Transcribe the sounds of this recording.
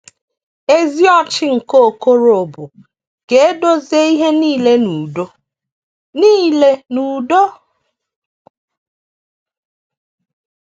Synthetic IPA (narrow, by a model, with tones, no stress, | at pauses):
e˦zi˦ɔ˦t͡ʃɪ˦ŋ̩˨ko˦o˨ko˦ɾo˨bʊ˨ | ke˨e˦do˦ze˦i˦ɦe˦niː˦le˦nu˨do˦ | niː˦le˦nu˨do˦